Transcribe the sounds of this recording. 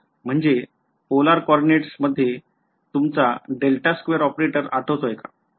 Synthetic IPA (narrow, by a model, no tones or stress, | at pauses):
m̤əɳd͡ze | polaɾkɔɾɖineʈsməd̪ʱːje | t̪umt͡saɖelʈaskʋeəɾɔpɾeʈəɾaʈʰəʋt̪ojka